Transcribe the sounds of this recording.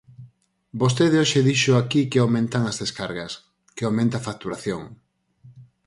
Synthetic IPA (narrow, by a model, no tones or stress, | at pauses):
bost̪eðeoʃeðiʃʊakikɪawmẽnt̪aŋɐzðeskaɾɣɐs | keawmẽnt̪afak̚t̪uɾaθjoŋ